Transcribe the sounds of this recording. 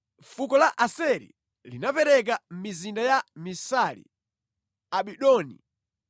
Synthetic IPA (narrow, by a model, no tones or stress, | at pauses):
fukɔlaʔasɛɾḭ | linapɛɾɛk̬am̩mizindajamisalḭ | aɓiɗɔːnḭ